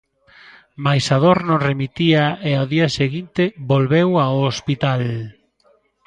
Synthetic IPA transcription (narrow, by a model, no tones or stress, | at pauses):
majsaðoɾnõremit̪iaeaðiaseɣint̪ebolβewaospit̪al